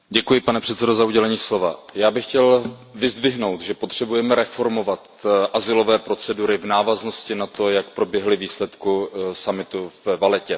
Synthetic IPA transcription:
ɟɛkujɪpanɛpr̥ɛt̪t͡sɛdo̞zauɟɛlɛɲiːslo̞vajaːbɪxcɛlvɪzd̪vɪɦno̞wt̪ʒɛpo̞t̪r̝̥ɛbujɛmɛɾɛfo̞ɾmo̞vat̪ʔazɪlo̞vɛːpɾo̞tt͡sɛduɾɪvnaːvazno̞scɪnat̪o̞jakpɾobjɛɦlɪviːslɛt̪kusamɪt̪uvɛvalɛcɛ

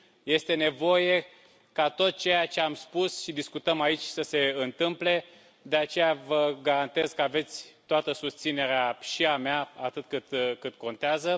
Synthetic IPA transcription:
je̞st̪e̞ne̞vo̞je̞ | kat̪o̞t̪̚t͡ʃe̞jat͡ʃe̞amspusʃid̪iskut̪əmait͡ʃʲsəse̞ɨnt̪ɨmple̞ | d̪e̞at͡ʃe̞javəɡaɾant̪e̞z̥kəave̞t̪sʲt̪oat̪əsust̪sine̞ɾeaʃiameaat̪ɨt̪̚kɨt̪kɨt̪ko̞nt̪eazə

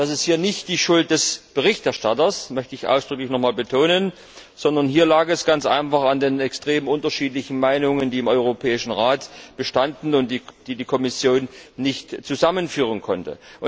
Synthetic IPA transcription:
d̥asɛsthiːɐnɪçtd̥iːʃʊlt̚d̥ɛsb̥əʁɪçtɛɐʃtatɐsmœçtəɪçʔa̰ʊsd̥ʁʏklɪçnɔχmaːlbətʰoːnən | z̥ɔndɐnɦiːɐlaːkɛsɡ̥ant͡sʔa̰ɪnfaχandeːnɛkstʁ̥eːmʔʊntɐʃiːt̬lɪçn̩maɪnʊŋəndiːɪmɔʏʁ̞opʰɛːɪʃn̩ʁaːtb̥əʃtandn̩ʊntd̥id̥iːdiːkʰɔmɪsjoːnːɪçtt͡suzamənfyːʁ̞ənkʰɔntə̰ʔʊ

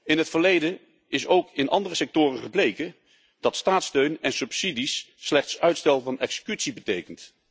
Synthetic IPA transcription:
ɪnɦətfəɹlejdə | ɪsowkɪnʔɑ̰ndərəsɛk̚tʊːrəχəplejkə | d̥ɑtstaːtstøɥnɛnsɵpsidisːlɛχtsœɥtstɛlˠvɑnɛksə̥kytsibətejkənt

